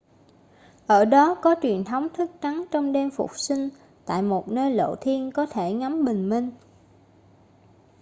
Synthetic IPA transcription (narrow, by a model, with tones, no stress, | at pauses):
ʔəː˧˩ɗɔ˨˦kɔ˨˦t͡ɕwi˨˩ənt̪ʰə˨˦wŋ͡mt̪ʰɨ˦˥k̚t͡ɕa˨˦nt͡ɕɔ˧wŋ͡mɗe˧mfʊ̰˨˩k͡p̚sï˧ŋ̟ | t̪a̰ː˧˨jmo˨˩t̚nəː˧jlo̰˧˨t̪ʰi˧ənkɔ˨˦t̪ʰe˧˩ŋa˨˦mɓï˨˩ŋ̟mï˧ŋ̟